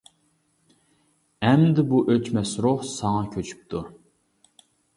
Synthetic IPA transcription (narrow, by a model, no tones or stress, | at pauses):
ɛmd̪ɪbuʔøt͡ʃmɛsɾuhsɑŋɑkʲʰøt͡ʃʰy̥p̚t̪ʰu